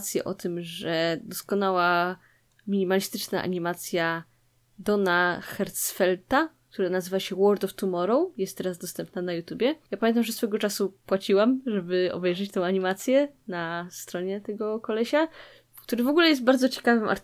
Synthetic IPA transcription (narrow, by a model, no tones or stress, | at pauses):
t̪sʲjɛ̰ʔɔt̪ɘmʐɛd̪ɔskɔnawa | mʲiɲimalʲist̪ɘt͡ʂnaʔa̰ɲimat̪sʲja | d̪ɔnaxɛɾt̪sfɛlt̪ak̚t̪uɾanazɘvaɕɛwɔɾd̪ɔft̪umɔɾɔwjɛst̪ːɛɾazd̪ɔst̪ɛmp̚nanajut̪ʲjubʲjɛjapamʲɛnt̪amʐɛsfɛɡɔt͡ʂasupwat͡ɕiwamʐɛbɘɔ̰bɛjʐɛt͡ɕt̪ɛ̃w̃aɲimat̪sʲjɛnast̪ɾɔɲɛt̪ɛɡɔkɔlɛɕa | kt̪uɾɘvɔɡulɛjɛst̪̚baɾd̪zɔt͡ɕe̥kavɘmʔa̰ɾ